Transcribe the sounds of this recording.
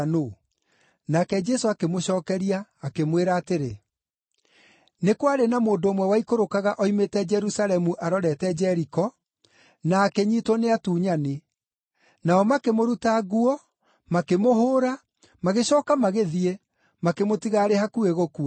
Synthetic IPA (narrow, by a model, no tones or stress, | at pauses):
no | nakɛd͡ʒɛsoakemoɕɔːkɛɾiaːkemweɾaːteɾe | nekwaɾenamoːndoːmwɛwaikoɾokaɣaʔɔimetɛd͡ʒɛɾusalɛmuʔaɾɔɾɛtɛd͡ʒɛɾikɔ | naːkɛɲitɔneatuːɲane | naɔmakemoɾutaɣuɔ | makemoɦoːɾa | maɣeɕɔːkamaɣeðie | makemotiɣaːɾehakueɣokua